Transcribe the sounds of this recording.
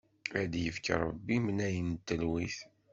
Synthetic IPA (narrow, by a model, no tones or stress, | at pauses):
æd̪jəfkə̰ɾˤəbːimənæjənt̪ːəlwiθ